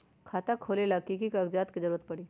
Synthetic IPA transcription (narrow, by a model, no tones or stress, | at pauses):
kʰaːt̪akʰoːlelakikikaːɡd͡ʒaːt̪kizɐɾuːɾət̪̚pɐɽiː